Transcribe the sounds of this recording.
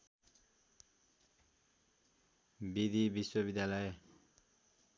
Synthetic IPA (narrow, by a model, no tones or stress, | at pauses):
bid̪ibiswʌbid̪jalʌj